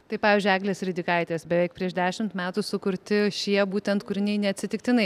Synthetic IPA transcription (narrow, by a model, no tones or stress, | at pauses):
t̪ɐɪpɑːʋʲɪzʲd͡ʒʲʊæːɡlʲeːsɾʲɪd̪ʲɪkɐɪt̪ʲeːsbʲɛʋʲɛɪk̚pʲɾʲiɛʃd̪ʲæːʃʲɪmt̪mʲæːt̪ʊsʊkʊɾʲt̪ʲɪʃʲiɛbuːt̪ʲɛnt̪kʊɾʲɪnʲɛɪnʲɛɐt̪ʲsʲɪt̪ʲɪk̚t̪ʲɪnɐɪ